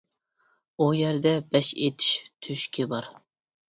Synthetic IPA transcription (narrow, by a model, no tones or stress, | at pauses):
ujɛɾd̪ɛbɛʃet̪ʰi̥ʃt̪ʰyʃkʲɪbɑɾ